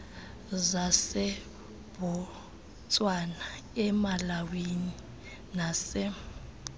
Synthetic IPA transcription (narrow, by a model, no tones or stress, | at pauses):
zasɛ | bɔ | t͡sʼwana | ɛmalawini | naːsɛ